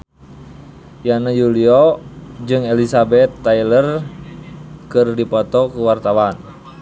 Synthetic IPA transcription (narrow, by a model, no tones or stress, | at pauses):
janajuliɔd͡ʒɨŋɛlisabɛt̪ːailər | kɨrdipɔt̪ɔkuwart̪awan